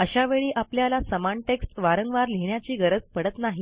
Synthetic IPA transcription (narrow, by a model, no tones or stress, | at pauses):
əɕaʋeɭiːʔapljalasəmaɳʈeksʈʋaɾəŋɡʋaɾliɦɳjat͡ɕiːɡəɾəd͡zpəɽət̪naɦi